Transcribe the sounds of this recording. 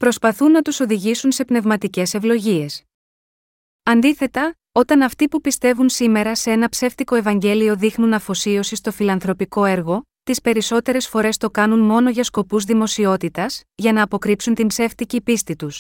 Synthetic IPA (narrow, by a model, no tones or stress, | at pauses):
pɾo̞spɐθunːɐt̪uso̞ðiʝisunse̞pne̞vmɐt̪ice̞se̞vlo̞ʝie̞s | ɐnd̪iθe̞t̪ɐ | o̞t̪ɐnɐft̪ipupist̪e̞vunsime̞ɾɐseenɐpse̞ft̪iko̞e̞vɐɲɟe̞lio̞ðixnunɐfo̞sio̞sist̪o̞filɐnθɾo̞piko̞e̞ɾɣo̞ | t̪ispe̞ɾiso̞t̪e̞ɾe̞sfo̞ɾe̞st̪o̞kɐnunmo̞no̞ʝɐsko̞puzðimo̞sio̞t̪it̪ɐsʝɐnɐːpo̞kɾipsunt̪impse̞ft̪icipist̪it̪us